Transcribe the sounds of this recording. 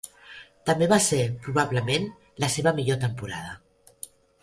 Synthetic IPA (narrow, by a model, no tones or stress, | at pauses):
t̪əmbeβasepɾuβ̞aβləmen | ləseβəmiʎot̪əmpuɾað̞ə